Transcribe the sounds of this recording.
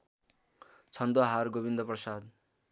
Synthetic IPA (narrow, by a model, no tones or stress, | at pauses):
t͡sʰʌnd̪oɦarɡobind̪ʌprʌsad̪